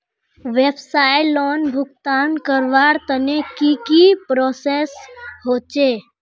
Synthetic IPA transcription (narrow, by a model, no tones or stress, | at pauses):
ʋebsaːjlɔːnbʱʊkt̪aːnkəɾʋaːɾt̪ənekikipɾɔːseːsɦoːt͡ʃeː